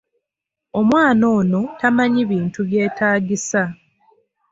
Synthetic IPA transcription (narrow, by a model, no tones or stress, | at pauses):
o̞mwaːno̞ːno̞tamaɲiβiːntuβje̞ːtaːɡisa